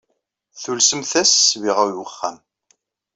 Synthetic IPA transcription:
θulsəmθæssviʁæjwəχːæ̰m

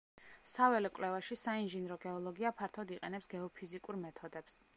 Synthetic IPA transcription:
savɛlɛkʼlɛvaʃisainʒinɾɔɡɛɔlˠɔɡiapʰaɾt̪ʰɔd̪iqʼɛnɛpsɡɛɔpʰizikʼuɾmɛt̪ʰɔd̪ɛps

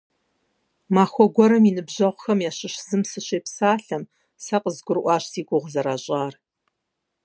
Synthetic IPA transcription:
maːxʷɔɡʷɔɾɐminɨbʑɐʁʷxɐmjaːɕɪɕz̥ɨmsɨɕeːpsaːɬɐm | sɐqəzɡʷʊrʔʷɑːɕsiːɡʷʊʁzɐɾaːɕʼaːr

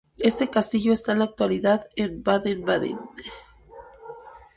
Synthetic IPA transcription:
e̞st̪e̞kast̪iʝo̞est̪aenlak̚t̪waliðaðenbaðenbaðḛn

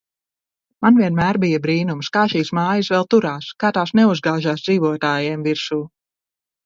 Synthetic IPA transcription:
manviɛnmæːɾbijɐbɾiːnumskaːʃiːsmaːjəsvɛlˠt̪uɾaːskaːt̪aːsnɛuzɡaːʒaːsd̪z̥iːvuɔt̪aːjɛːmviɾsuː

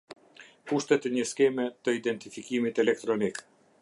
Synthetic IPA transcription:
kuʃt̪ɛt̪ɛɲəskɛmɛt̪əid̪ɛnt̪ifikimit̪ɛlɛk̚t̪ɾɔnik

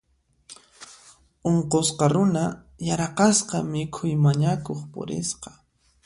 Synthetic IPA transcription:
oɴqosqɑɾʊna | jaɾɑqɑsqɑmɪkʰʊjmaɲakoχpʊ̰ɾɪ̰sqɑ̥

